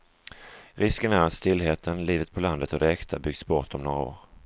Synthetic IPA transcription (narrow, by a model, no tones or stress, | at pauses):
ɾɪskənæɾat̪st̪ɪlːɦeːt̪ʰənliːvət̪̚pʰɔland̪ət̪ɔd̪ɛɛkt̪ʰabʏɡsbɔʈ̪ːɔmnoːɾao̰ːɾ